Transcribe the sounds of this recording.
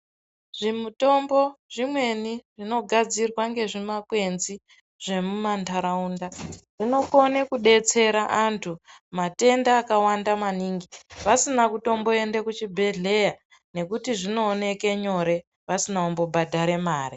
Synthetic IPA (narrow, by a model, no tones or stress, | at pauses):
ʐ̥imuto̞mbo̞ʐ̥imwe̞niʐino̞ɡʱad͡zirwaŋɡe̞ʐimakwe̞nzi | ʐ̥e̞mumantʰaɾaundaʐ̥ino̞konekuɗe̞t͡se̞ɾaʔantʰumate̞ndaːkawandamaniːŋɡiʋasinakuto̞mbo̞endekut͡ʃibʱe̞ɮe̞ja | ne̞kutiʐino̞ːne̞ke̞ɲo̞ɾe̞ | ʋasinaumbo̞bʱadʱaɾe̞maːri